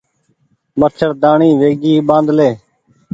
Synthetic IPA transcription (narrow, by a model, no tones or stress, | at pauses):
mət͡ʃʰəɾd̪aːɳiːʋeːɡiːɓãːnd̪leː